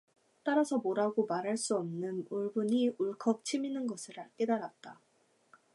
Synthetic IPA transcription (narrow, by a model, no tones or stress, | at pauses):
t͈aɾasʰʌmoɾaɡomaɾɦaɭs͈uʌmnɯnuɭbuɲiuɭkʰʌk̚t͡ɕʰiminɯnɡʌsʰɯɾaɭk͈e̞daɾat̚t͈a